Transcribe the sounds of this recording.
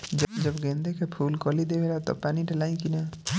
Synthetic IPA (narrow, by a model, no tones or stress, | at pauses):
d͡ʒd͡ʒʌbɡẽːnd̪ekepʰuːlkɔlid̪ebelat̪ɔ̰paːniʈelaːĩkina